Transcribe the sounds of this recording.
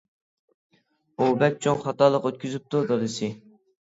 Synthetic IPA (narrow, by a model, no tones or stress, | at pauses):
ubɛt̪̚t͡ʃʰoŋχɑt̪ɑlˠəqøt̪̚kʲʰyzyp̚t̪ʰud̪oɾɨsɪ